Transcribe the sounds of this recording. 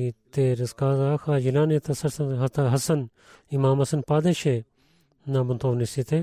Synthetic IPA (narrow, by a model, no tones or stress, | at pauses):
it̪eːɾɐskaːzaːkʰaːd͡ʒilaːnet̪ʰɐsɐɾsɐnɦɐt̪ɐɦɐsɐn | imaːmɐsɐnpaːd̪eːʃeː | naːbɐnt̪oːʋnisit̪ʰeː